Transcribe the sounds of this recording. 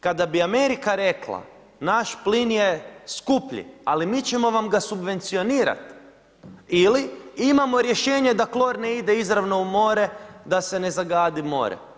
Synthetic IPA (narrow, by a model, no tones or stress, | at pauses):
kad̪abiame̞ɾikaɾe̞klˠa̰ | naʃplinjeskupʎḭalimit͡ʃe̞mo̞ʋamɡasubʋe̞nt̪sio̞niːɾa̰t̪ | iliimamo̞ɾje̞ʃe̞ːɲe̞d̪aklˠo̞ɾne̞id̪e̞izɾaʋno̞umo̞ɾe̞d̪ase̞ne̞zaɡaːd̪imo̞̰ːɾḛ